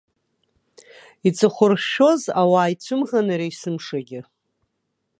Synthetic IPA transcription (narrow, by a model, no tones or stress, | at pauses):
it͡sʼɨχʷʊrʃo̞zawaːjt͡ɕʷʰɨmʁanaɾejsɨmʂaɡʲɪ